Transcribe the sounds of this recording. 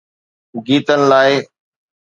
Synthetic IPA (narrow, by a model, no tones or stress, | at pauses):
ɡiːt̪ənɪ̆laːɪ